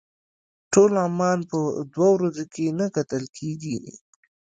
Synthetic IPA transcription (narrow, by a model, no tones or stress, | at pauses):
ʈolɑmɑnpəd̪wawɾazokʰenakat̪əlkʰeɡi